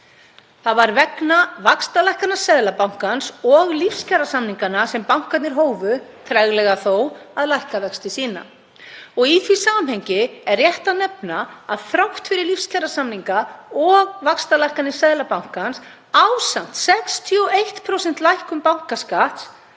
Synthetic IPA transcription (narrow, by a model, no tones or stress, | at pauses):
θaðvaɾvɛknavakst̪alajhkanasaðlapawŋ̥kansɔɣlifscarasamniŋkanasɛmpawŋ̥kat̪nɪɾ̥ɦoːwvʏt̪ʰɾajɣlɛɣaθowaðlajhkavɛkst̪ɪsiːna̰ | ɔɣiθvisaːmhejɲcɪɛrːjɛht̪anɛpnaaðθɾawht̪fɪɾɪɾlifscarasamniŋkaɔɣvakst̪alajhkat̪ɪ̥saðlapawŋ̥kans | awsam̥t̪sɛkst̪ʰiɔejht̪pʰɾowsɛn̥t̪lajhkʏmpawŋ̥kaskat̪s